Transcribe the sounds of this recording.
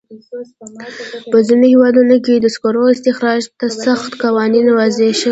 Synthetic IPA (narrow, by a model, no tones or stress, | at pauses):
pəzinohewɑd̪unoked̪əskoɾoɪst̪ɪxɾɑʒt̪asaxt̪kawɑninwazeʃə